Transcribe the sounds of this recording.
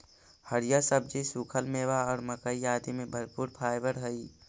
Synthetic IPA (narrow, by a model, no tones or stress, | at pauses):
həɾijasəb̚d͡ʒisuːkʰəlmeːwaɔːɾməkəijaːd̪imẽbʱəɾpuːɾpʰaːɪbəɾɦəi